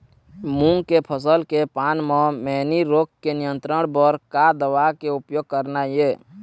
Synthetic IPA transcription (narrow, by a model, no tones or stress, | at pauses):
mũŋɡkepʰəsəlkepaːnmɔ̃mɛniɾoːkkenijə̃nt̪ɾəɽ̃bəɾkad̪əwakeupjoɡ̚kəɾnaje